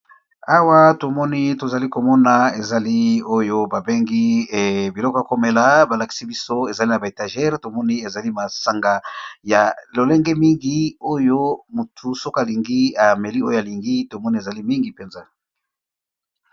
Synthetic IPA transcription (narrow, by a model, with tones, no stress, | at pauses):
a˦wa˦to˨mɔ˦ni˦to˨za˨li˦ko˨mɔ˦na˨e˨za˨li˦o˦jo˦ba˨be˦ŋɡi˦˨bi˨lɔ˦ko˦˨a˨ko˦me˨la˨ba˨la˨ki̥˨si˦bi˦so˦e˨za˨li˦na˨ba˨e˨ta˨ʒɛ˦ʁto˨mɔ˦ni˦e˨za˨li˦ma˨sa˨ŋɡa˨ja˨lo˨le˦ŋɡe˦mi˦ŋɡi˦o˦jo˦mu˨tʰu˨so˦ka˨li˨ŋɡi˦a˨me˨li˦o˦jo˦a˨li˨ŋɡi˦to˨mɔ˦ni˦e˨za˨li˦mi˦ŋɡi˨pe˨nza˦